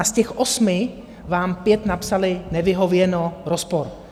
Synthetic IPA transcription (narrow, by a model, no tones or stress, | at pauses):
ascɛxʔosmɪ | vaːmpjɛt̪napsalɪnɛvɪɦo̞vjɛnoɾospoɾ